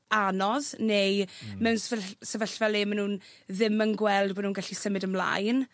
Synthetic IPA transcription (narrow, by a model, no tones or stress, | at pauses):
anɔznejmɛwnsvəsəvəɬvɛlemanhuːnðɪmənɡwɛlˠdboːdnuːnɡaɬisəmɪdəmla̰jn